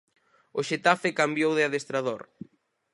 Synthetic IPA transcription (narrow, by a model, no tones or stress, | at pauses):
ʊʃet̪afekambjowðɪaðest̪ɾaðoɾ